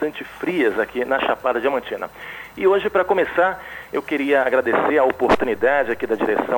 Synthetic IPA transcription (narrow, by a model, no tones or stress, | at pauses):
t̪ɐ̃nt͡ʃɪfɾiɐzakʰinɐʃapad̪ɐd͡ʒɪamɐ̃t͡ʃĩnɐ̰ɪoʒɪpɾɐkõmesaɾewkeɾiɐaɡɾad̪eseɾɐopoɾt̪unid̪ad͡ʒɪakid̪ɐd͡ʒiɾesɐ̃